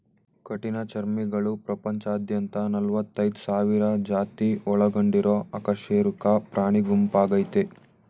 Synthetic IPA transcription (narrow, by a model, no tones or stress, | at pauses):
kɐʈinɐt͡ʃɐɾmiɡɐɭupɾɐpɐɲt͡ʃaːd̪jɐnt̪ɐnɐlʋɐt̪ːɐjd̪usaːʋiɾɐd͡ʒaːt̪iɔɭɐɡoɳɖiɾoːɐkɐʂeːɾukɐpɾaːɳ̃iɡumpaːɡɐjt̪e